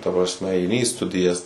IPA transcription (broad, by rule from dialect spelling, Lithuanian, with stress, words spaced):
tɐ prɐsʲˈmʲɛ ɐɪˈnʲɪ iː ˈstʊdʲɪjɛs